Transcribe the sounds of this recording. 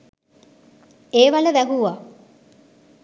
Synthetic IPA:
eːʋaləʋæɦuʋa

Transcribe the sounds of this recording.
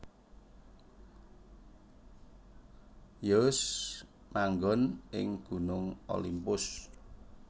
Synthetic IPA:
jəs | maŋɡɔnɪ̰ŋɡ̥unʊŋo̰limpʊs

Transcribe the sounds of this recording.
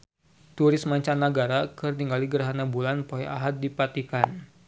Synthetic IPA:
t̪uɾɪsmaɲt͡ʃanːaɡaɾakɨrniŋɡaliɡərɦanabulanpoɛʔaɦat̪̚dipat̪ikan

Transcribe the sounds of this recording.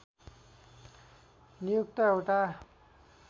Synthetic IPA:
nijuk̚t̪ʌewʈa

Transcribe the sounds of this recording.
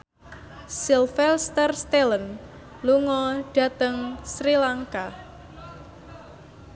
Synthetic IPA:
silfɛlst̪ərst̪elən | luŋɔɖ̥a̤t̪əŋsɾilaŋka

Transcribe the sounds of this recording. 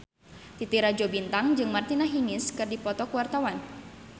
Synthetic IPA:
t̪it̪iɾad͡ʒobint̪aŋd͡ʒɨŋmart̪inaɦiŋɪskɨrdipɔt̪ɔkuwart̪awan

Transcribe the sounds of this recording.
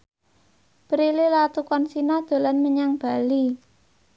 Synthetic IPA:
pəɾilelat̪ukɔnsinad̪̥o̤lanməɲaŋb̥a̤li

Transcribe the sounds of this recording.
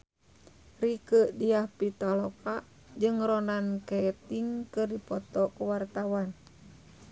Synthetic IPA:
rikəʔdiahpit̪alɔkaʔ | d͡ʒɨŋɾɔnankɛt̪iŋkɨrdipɔt̪ɔkuwart̪awan

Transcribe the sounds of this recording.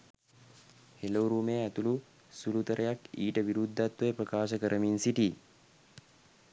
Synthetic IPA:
helɐuɾuːmeːɐt̪ulu | sulut̪ɐɾʔɐjakiːʈɐʋiɾud̪ʱːɐt̪ːɐjpɾɐkaːʃɐkəɾʔɐmiːnsiʈiː

